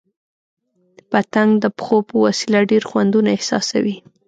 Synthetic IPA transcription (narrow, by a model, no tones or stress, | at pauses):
pat̪aŋɡd̪əpxopəwasilaɖeɾxwand̪unaɪhsɑ̰sa̰wi